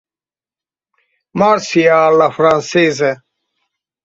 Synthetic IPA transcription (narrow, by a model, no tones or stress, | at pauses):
maɾsiaːlafɾansezə